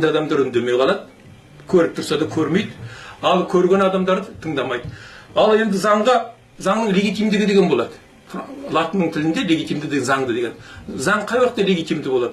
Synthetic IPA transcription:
d̪ɑd̪ɑmd̪ɑɾʏnd̪e̞mejqʰɑlˠɑd̪ə | kʲʰɵɾɪp̚t̪ʰʊɾsɑd̪ɑkʲʰɵɾme̞jd̪ɪɑlˠkʲʰɵɾɡʲe̞nɑd̪ɑmd̪ɑɾd̪ət̪ʰəɴd̪ɑmɑjd̪əɑlˠe̞nd̪ɪzɑɴʁɑ | zɑɴnəɴlʲe̞ɡʲijt̪ijmd̪ɪɡʲɪd̪eɡʲenbo̞lˠɑd̪ə | lˠɑt̪ənəɴt̪ʰɪlɪnd̪e̞le̞ɡʲijt̪imd̪ɪd̪enzɑŋd̪əd̪eɡʲe̞̰nzɑɴqʰɑjwɑqt̪ːɑlʲe̞ɡʲijt̪ijmd̪ɪbo̞lˠɑd̪ə

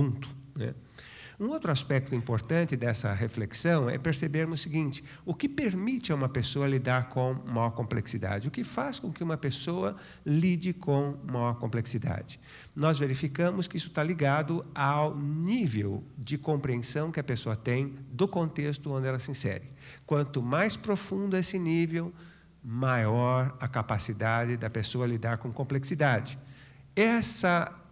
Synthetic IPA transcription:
ũt̪ʊ̥nɛ̰ | ũowt̪ɾʊaspɛk̚t̪ʊĩmpoɾt̪ɐ̃nt͡ʃ̪ɪd̪ɛsɐ̰ɦefleksɐ̃w̃ɛ̰peɾsebeɾmsiɡĩnt͡ʃɪ̥ | ʊkɪpeɾmit͡ʃɪaũmɐpesoɐlid̪aɾkõmajɔɾkõmpleksid̪a̰d͡ʒɪʊkɪfaskõkɪũmɐpesoɐ | lid͡ʒɪkʰõmajɔɾkõmpleksid̪a̰d͡ʒɪ̥ | nɔzveɾifikɐ̃mʊskɪisʊ̥t̪aliɡad̪ʊawnivewd͡ʒɪkõmpɾiẽsɐ̃w̃kɪɐpesoɐt̪ẽj̃d̪ʊkõnt̪est̪ʊõnd̪ɪɛlɐsɪĩsɛ̰ɾɪkwɐ̃nt̪ʊmajspɾofũnd̪ʊesɪnivew | majɔɾɐkapasid̪ad͡ʒɪd̪ɐpesoɐlid̪aɾkõkõmpleksid̪ad͡ʒɪ | ɛsɐ

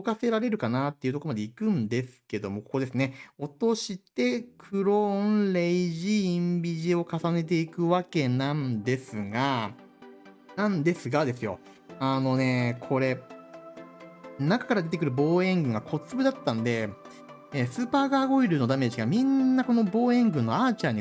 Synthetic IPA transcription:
okase̞ɾaɾe̞ɾɯ̟kanat̪ːeiɯ̟t̪oomad̪eikɯ̟̃nd̪e̞sɨ̥ke̞d̪o̞mo̞ko̥ko̞d̪esɨne̞o̞t̪o̞ɕit̪e̞kʰɯ̟ɾo̞nɾeiʑĩːmbʲiʑio̞kasane̞t̪̬e̞ikɯ̟βake̞nãnd̪e̞sɨɡa | nãnd̪e̞sɨɡad̪e̞sɨjo̞̰ | ano̞ne̞kʰo̞ɾe̞ | nakḁkaɾad̪et̪ekɯ̟ɾɯ̟bo̞ːẽ̞ŋɡɯ̟̃ŋɡakʰo̞t͡sɨbɯ̟d̪at̪ːãnd̪e̞ | esɨːpaːɡaːɡo̞iɾɯ̟no̞d̪ame̞ːʑiɡamʲĩnːako̞no̞bo̞ːẽ̞ŋɡɯ̟̃nːoat͡ɕaɲ̟i

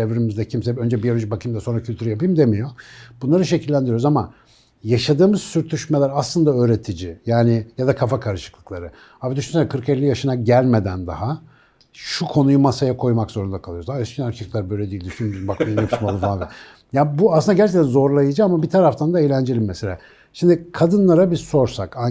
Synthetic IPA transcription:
evɾimizd̪ɛcʰimsɛø̞nd͡ʒɛbijolʲʒibakʰɯjmd̪ɛso̞nɾacʰylʲt̪ʰyɾyjapɯjmd̪emijo̞bunlˠaɾɯʃ̬ecʰilʲːænd̪iɾjoɾuzama | jaʃad̪ɯːmɯz̥syɾt̪ʰyʃme̞lʲæɾaslˠɯnd̪aøːɾe̞t̪ʰid͡ʒijaːnɪjad̪akʰafakʰaɾɯʃɯ̥klˠɯ̥klˠaɾɯ | aːbid̪yʃynsɛkʰɯɾkelʲːijaʃɯnaɟælʲme̞d̪ænd̪a̰ɦa | ʃukʰo̞nujumasajakʰo̞jmakzo̞ɾund̪akʰalˠɯjozayscʰinaɾcʰiklˠaɾbø̞jlʲɛd̪ijilʲd̪yʃynbakajnɛpʰiʃmalˠɯmfalˠanvɛ | jabuasˠɯnd̪aɟæɾt͡ʃʰec̚t̪ːænzo̞ɾlˠajɯd͡ʒaamabit̪ʰaɾaft̪ʰand̪aejlʲænd͡ʒelʲimːese̞lʲa̰ | ʃimd̪ikʰad̪ɯnlˠaɾabizso̞ɾsaka

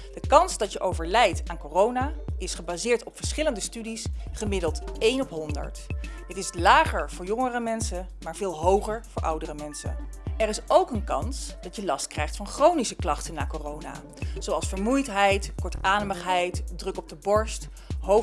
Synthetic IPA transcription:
d̥əkɑnsdɑtjəʔowvəɹlɛjtaːnkorownaːɪsχəbaːzɪːɹtɔpfəɹsχɪləndəstydisχəmɪdəlˠtejnɔpɦɔndə̰ɹtɦətɪslaːχəɹv̥ʊːɹjɔŋərəmɛnsəmaːɹv̥ɪːlˠɦowχəɹv̥ʊːɹʔʌ̰wdərəmɛnsə̰ɛrɪsowkənkɑ̰nsd̥ɑjəlɑstkrɛjχtfɑnχrownisəklɑχtənːaːkoːrowna̰ː | z̥owɑlˠsfəɹmujtɦɛjtkɔɹtaːnəməχɦɛjtdrɵkɔb̚dəbɔɹst | ɦo

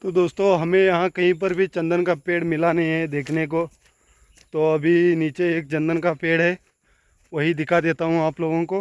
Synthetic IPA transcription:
t̪oːd̪oːst̪õɦɐmẽjɐɦãkɐɦĩp̬ɐɾbʱit͡ʃɐ̃nd̪ənkapeːɽmɪlanɐɦĩɦɛd̪eːkʰneko | t̪oɐbʱiniːt͡ʃeːk̚t͡ʃɐ̃nd̪ənkapeːɽɦɛ | ʋɐɦid̪ɪkʰad̪eːt̪aɦũaːploːɡõkoː

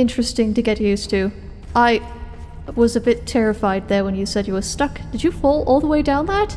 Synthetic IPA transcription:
ɪ̃nt͡ʃɹ̥ɨstɪ̃ŋtɨɡɛʔ̚jʉstʰʉ | ʔaɪ | wʌzɨbɪtʰɛɹɨfaɪd̪̚ðə˞wə̃njɨsɛdjɨwə˞stʌkd̥ɨd͡ʒɨfɔlˠɔlˠðəweɪdãʊ̃nðæt̚

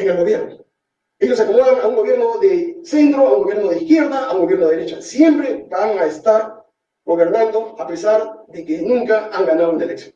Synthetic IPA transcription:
eŋelɣo̞βje̞ɾno | e̞jos̬akomoɣaŋauŋɡoβjeɾno̞ðese̞nt̪ɾoauŋɡo̞βjeɾno̞ðeihkje̞ɾðaauŋɡoβjeno̞ðeɾet͡ʃasje̞mpɾebaŋaest̪aɾ | ɡo̞βe̞ɾnand̪o̞ape̞saɾðekenũŋkaaŋɡanaðouneleksjon

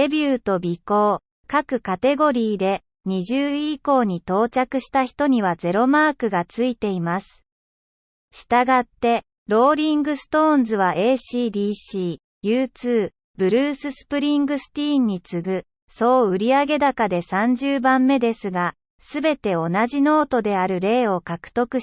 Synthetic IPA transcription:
ebʲɯːt̪o̞bʲiko̞ː | kakɯ̟kat̪e̞ɡo̞ɾʲiːd̪e̞ | ɲ̟iʑɨːiko̞ːɲ̟it̪o̞ːt͡ɕakɯ̟ɕi̥t̪açi̥t̪o̞ɲ̟iβ̞ad͡ze̞ɾo̞maːkɯ̟ɡat͡sɨit̪e̞imasɨ̥ | ɕi̥t̪aɡat̪ːe̞ | ɾo̞ːɾʲĩŋɡɯ̟sɨ̥t̪õ̞ːnzɨβ̞aʔe̞ːɕiːd̪iːɕiː | jɯːt͡sɨː | b̥ɯ̟ɾɯːsɨsɨ̥pɯ̟ɾʲĩŋɡɯ̟sɨ̥t̪ʲĩːɲ̟ːit͡sɨɡɯ̟ | so̞ːɯ̟ɾʲiaɡe̞d̪akad̪e̞sãɲ̟d͡ʑɨːbãmːe̞d̪e̞sɨɡa | sɨbe̞t̪e̞o̞naʑino̞ːt̪o̞d̪e̞aɾɯ̟ɾe̞ːo̞kakɯ̟̥t̪o̞kɯ̟

